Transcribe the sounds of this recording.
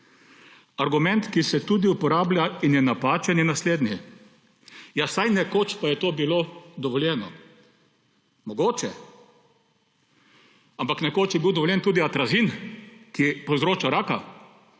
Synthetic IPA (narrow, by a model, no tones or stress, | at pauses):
aɾɡumɛnt̪kisɛt̪ud̪iupɔɾaːblʲjainjɛnapaːt͡ʃɛnjɛnasleːd̪njɛ | jasajnɛkoːt͡ʃpajɛt̪oːbiloːd̪ɔʋɔljɛːnɔ | mɔɡoːt͡ʃɛ | ampaknɛkoːt͡ʃjɛbiwd̪ɔʋɔljɛnt̪uːd̪iat̪ɾazinkipowzɾoːt͡ʃaɾaːka